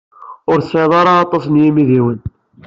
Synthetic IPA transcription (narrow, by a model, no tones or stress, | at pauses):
ʊɾsʕeðˤɑɾˤɑːt̪ˤːɑsnjimiðiwən